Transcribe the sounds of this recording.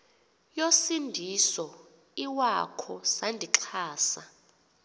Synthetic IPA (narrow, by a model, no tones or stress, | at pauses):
josindʱisɔ | iwakʰɔsandʱiǁʰaːsa